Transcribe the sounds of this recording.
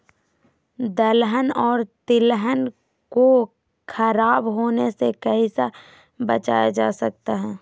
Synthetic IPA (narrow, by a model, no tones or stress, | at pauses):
d̪əlɦənɔːɾt̪ɪlɦən | ko | kʰɐɾaːbɦoːnesekəɦisa | bət͡ʃaːjad͡ʒaːsək̚t̪aɦɛ̃ː